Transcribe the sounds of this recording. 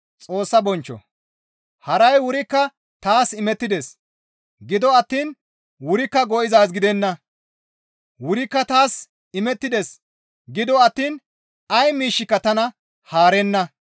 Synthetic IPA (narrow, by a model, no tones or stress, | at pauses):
t͡sʼo̞ːsːɐbɔnt͡ʃːɔ̰ | hɐɾɐjwʊɾɪkːɐ | t̪aːsɪmɛt̪ːɪd̪es | ɡɪd̪ɔɐt̪ːiːn | wʊɾɪkːɐɡɔʔɪzaːs̬ɡɪd̪ɛnːɐ | wʊɾɪkːɐt̪aːs | ɪmɛt̪ːɪd̪es | ɡɪd̪ɔɐt̪ːiːn | ɐjmiːʃːɪkːɐt̪ɐnɐ | haːɾɛnːɐ